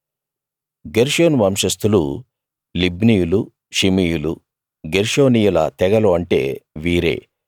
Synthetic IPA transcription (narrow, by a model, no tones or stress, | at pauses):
ɡeɾʂoːnʋɐmʂɐst̪ulu | libnijulu | ʃimijulṵ | ɡeɾʂoːnijulɐ̰t̪ɛɡɐloɐɳʈe̞̰ːʋiːɾe̞̰ː